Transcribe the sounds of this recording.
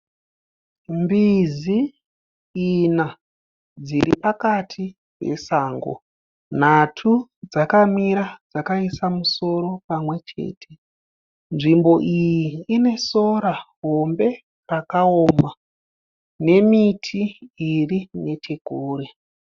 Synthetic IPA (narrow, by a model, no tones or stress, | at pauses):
mbiziː | na | d͡ziɾipakatʰi | pe̞̰saːŋɡo̰ | n̤atʰud͡zakamiɾad͡zakaisamuso̞ɾo̞pamwe̞t͡ʃe̞̰ːtʰe̞̥ | nʐimbo̞ʔijiːne̞so̞ɾaɦo̞mbe̞ | rakao̞ːma | ne̞mitʰiːrine̞tʰe̞kuːɾe